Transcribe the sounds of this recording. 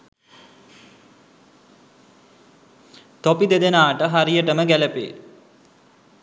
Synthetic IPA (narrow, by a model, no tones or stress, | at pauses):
t̪opid̪ed̪enaːʈəɦaɾijəʈəməɡæləpḛː